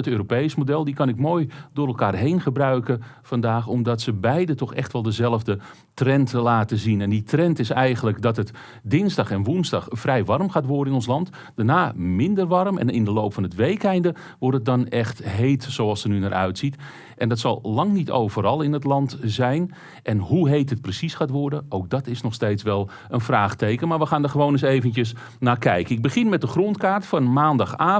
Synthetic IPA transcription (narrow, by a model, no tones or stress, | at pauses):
ətøːɾopejsmodɛlˠdikɑnɪkmoːjdʊːɾɛlˠkaːrɦejnχəbrœɥkəfɑndaːxɔmdɑtsəbɛjdətɔxɛ̰xtʋɛlˠdəzɛlˠəvdə | trɛntlaːtəzinɛnditrɛntɪsɛjɣənləkdɑtət | dɪnzdɑxɛnʋunzdɑxfrɛjʋɑrmxaːtʋʊɾəɪnɔnslˠɑnt | danaːmɪndərʋɑrmɛ̰nɪndəlowpfɑnətʋejkɛjndə | ʋɔrtət̚dɑnɛxtɦejtsowɑlˠsənynarʔœ̰ɥtsit | ʔɛndɑtsɑ̰lˠlɑŋnitʰo̰wvəɾɑlˠɪnətlɑntzɛjn | ʔɛnɦuɦejtɦət̚prəsisxaːtʋɔrdəʔowk̚dɑtɪsnɔxstejtsʋɛlˠ | ʔənfraːχtejkənmaːɹʋəxaːndərχəʋownəsejvəntjəs | naːkɛjkəɪɡ̚bəχɪnmɛt̚dəxrontkaːrtfɑnmaːndɑxaː